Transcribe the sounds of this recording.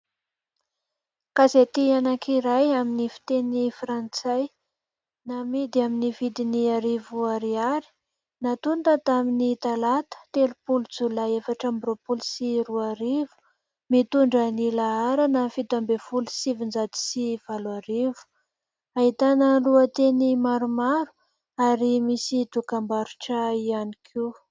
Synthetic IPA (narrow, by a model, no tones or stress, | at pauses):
kazet̪ianakʰiɾajaminifi̥t̪enifrant͡saj | namid̪iaminivid̪iniaɾivuaɾiaɾi̥ | nat̪unt̪ət̪aminit̪alat̪ə̥t̪elupulud͡zulaefaʈ͡ʂambropulusiɾuaɾivu̥ | mit̪uɳɖ͡ʐənilaaɾanəfit̪ambefulusivind͡zad̪i̥siv̥alwaɾivu̥ | aɦit̪anəluət̪enimaɾumaɾu̥ | aɾimisit̪ukambaɾuʈ͡ʂəianikʰi